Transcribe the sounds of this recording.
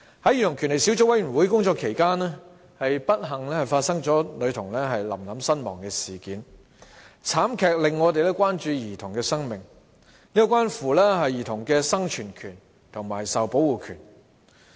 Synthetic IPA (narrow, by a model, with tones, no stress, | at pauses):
hɐ˨˥jiː˨˩t̪ʰʊ˨˩ŋkʰy˨˩nle˨˩jsi˨˥wt͡sʊ˧˥wɐ˨˥jɥyː˨˩nwuː˨˥jkʊ˥ŋt͡sɔː˧kʰe˨˩jkaː˥nɛː˥ | hɐ˨jpɐ˥t̚ɦɐ˨˩ŋlɛː˥hɐ˨jfaː˧t̚sɐ˥ŋt͡sɔː˨˥lɵ˨˧t̪ʰʊ˨˩ŋlɛː˥ɦɐ˨jlɐ̰˨˩mlɐ˨˥msɐ˥nmɔː˨˩ŋkɛː˧siː˨˩kiː˨˥n | t͡sʰaː˨˥mkʰɛː˨k̚lɪ˨ŋːɔː˨˧t̪̬e˨jlɛː˥kʷaː˥nt͡ʃyː˧jiː˨˩t̪ʰʊ˨˩ŋkɛː˧sɐ˥ŋmɪ˨˩ŋ | niː˥kɔ˧kwaː˥nfuː˨˩lɛ˥ɦɐ˨jːiː˨˩t̪ʰʊ˨˩ŋkɛː˧sɐ˥ŋt͡ʃʰyː˨˩nkʰyː˨˩n | t̪ʰʊ˨˩ŋmaː˨˩jsɐ˨wpo˨˥wwuː˨kʰyː˨˩n